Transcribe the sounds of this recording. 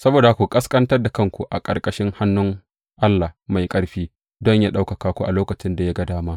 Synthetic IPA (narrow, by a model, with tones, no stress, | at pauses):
sɐ˦boː˨da˨kʷu˨kʼɐ˦skʼɐ˦ntɐ˦rda˨kɐ˦ŋkʷu˨ʔa̰˨kʼɐ̰˨rkʼɐ˦ʃɪ˦ŋha˦nːʊ˦ŋ | ʔa˦lːa˨hma˨jkʼɐ˦ɽɸiː˦ | dɔ˦ɲjaː˦ɗa˦wkɐ˨kaː˦kʷu˦ʔa˨loː˦kɐ˨t͡ʃɪ˦nda˨ja˦ɡɐ˨daː˦maː˦